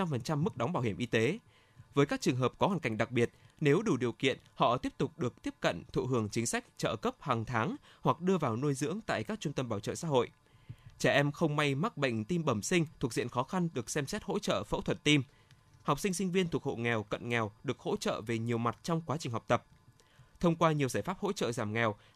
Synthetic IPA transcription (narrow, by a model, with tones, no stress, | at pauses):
t͡ɕa˧mfə˨˩nt͡ɕa˧mːɨ˦˥k̚ɗa˨˦ŋ͡mɓaː˧˩whi˧˩əmʔi˧t̪e˨˦ | vəː˨˦jkaː˦˥k̚t͡ɕɨ˨˩əŋɦəː˨˩p̚kɔ˨˦haː˨˩ŋka˧˩jŋ̟ɗa˨˩k̚ɓi˨˩ət̚ | ne˨˦wɗu˧˩ɗi˨˩əwkḭ˧˨ənhɔ̰˧˨t̪i˦˥əp̚t̪ʊ˨˩k͡p̚ɗɨ˨˩ək̚t̪i˦˥əp̚kə̰˧˨nt̪ʰṵ˧˨hɨ˧˩əŋt͡ɕï˨˦ŋ̟sa˦˥k̟̚t͡ɕə̰ː˧˨kə˦˥p̚haː˨˩ŋt̪ʰaː˨˦ŋ | hwa˨˩k̚ɗɨ˧əvaː˨˩wnu˧jzɨ̰˧˥əŋt̪a̰ː˧˨jkaː˦˥k̚t͡ɕʊ˧ŋ͡mt̪ə˧mɓaː˧˩wt͡ɕə̰ː˧˨sa̰˧˥ɦo̰˧˨j | t͡ɕɛ˧˩ʔɛ˧mxə˧wŋ͡mma˧jma˦˥k̚ɓə̰˧˨ŋ̟t̪i˧mɓə˧˩msï˧ŋ̟t̪ʰəzḭ˧˨ənxɔ˨˦xa˧nɗɨ˨˩ək̚sɛ˧msɛ˦˥t̚ho̰˧˥t͡ɕə̰ː˧˨fə̰˧˥t̪ʰə˨˩t̚t̪i˧m | hɔ˨˩wk͡p̚si˧ŋ̟sï˧ŋ̟vi˧ənt̪ʰəkho̰˧˨ŋɛ˨˩wkə̰˧˨nŋɛ˨˩wɗɨ˨˩ək̚ho̰˧˥t͡ɕə̰ː˧˨ve˨˩ɲi˨˩əwma˨˩t̚t͡ɕɔ˧wŋ͡mkwaː˨˦t͡ɕï˨˩ŋ̟ɦa˨˩k͡p̚t̪ə˨˩p̚ | t̪ʰə˧wŋ͡mkwaː˧ɲi˨˩əwzaː˧˩jfaː˦˥p̚ho̰˧˥t͡ɕə̰ː˧˨zaː˧˩mŋɛ˨˩w